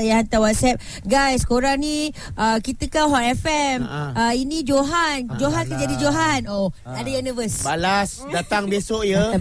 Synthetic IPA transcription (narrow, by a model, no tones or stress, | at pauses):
jaɦant̪awat̪̚sɛp̚ | ɡajskoɾaŋni | əkit̪əkaɦɔtɛfɛməinĩd͡ʒoɦand͡ʒoɦankand͡ʒadid͡ʒoɦano | adajunivəsbalas | dat̪aŋbesoʔjə